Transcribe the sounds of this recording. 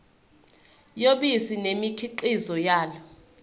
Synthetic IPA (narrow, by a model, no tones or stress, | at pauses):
joɓisinemikʰiǃizɔjaːlɔ